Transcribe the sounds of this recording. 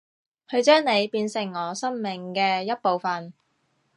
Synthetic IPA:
kʰɵ˧ɥt͡ʃœː˥ŋne˨˧jpiː˧nsɪ˨˩ŋːɔː˨˧sɐ˥mmɪ˨˩ŋkɛː˧jɐ˥t̚po˨˧wfɐ˨n

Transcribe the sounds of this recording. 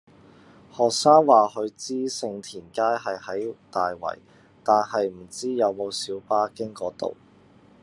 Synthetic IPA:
hɔː˨k̚saː˥ŋwaː˨˩ɦɵ˨˧ɥt͡siː˥sɪ˧ŋt̪ʰiː˨˩nkaː˥jɦɐ˨jhɐ˨˥jt̪aː˨jwɐ̰˨˩j | t̪aː˨nɦɐ˨jm̩˨˩t͡siː˥jɐ˨˧wmo˨˧wsiː˨˥wpaː˥kɪ˥ŋkɔː˨˥t̪o̰˨w

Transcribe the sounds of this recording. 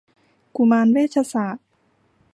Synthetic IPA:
ku˧˩˨maː˧nweː˥˩t̪̚ʰa˧saː˨˩˦t̪̚

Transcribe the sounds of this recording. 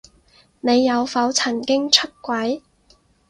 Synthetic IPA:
ne˨˧jːɐ˨˧wfɐ˨˥wt͡sʰɐ˨˩nkɪ˥ŋt͡ʃʰɵ˥t̚kʷɐ˨˥j

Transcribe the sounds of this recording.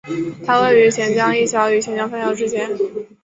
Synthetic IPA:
t̪ʰa˥we˥˩ɪy˧˥t͡ɕʰjɛ˧˥nt͡ɕjɑ˥ŋi˥˩ɕjɑ˧˥ʊy˧˥t͡ɕʰjɛ˧˥nt͡ɕjɑ˥ŋfa˥˧jɑ˧˥ʊʈ͡ʂɻ̩˥t͡ɕjɛ˥n

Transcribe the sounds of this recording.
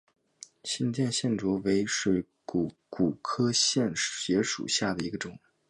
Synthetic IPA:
ɕi˥nt͡ɕjɛ˥˧nɕjɛ˥˩nʈ͡ʂwɔ˧˥we˧˥ɪʂɻ̩˥˩ | ku˨˩ku˨˩kʰɤ˥ɕjɛ˥˩nɕɥɛ˧˥ʂṵ˨˩ɕja˥˩d̪ə˩i˧˥ɡə˧ʈ͡ʂʊ˨˩˦ŋ

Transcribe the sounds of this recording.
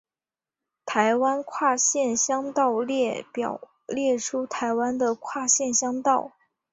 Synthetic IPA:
t̪ʰa˧˥ɪwa˥nkʰwa˥˧ɕjɛ˥˩nɕjɑ˥ŋt̪ɑ˥˧ʊljɛ˥˩pjɑ˨˩ʊ | ljɛ˥˩ʈ͡ʂʰu˥t̪ʰa˧˥ɪwa˥nd̪ə˨kʰwa˥˧ɕjɛ˥˩nɕjɑ˥ŋt̪ɑ˥˩ʊ

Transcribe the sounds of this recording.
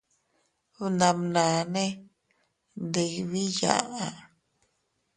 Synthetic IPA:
u˧nã˨mnã˨nẽ˦ | de˨jβi˦ja̰˨a˨

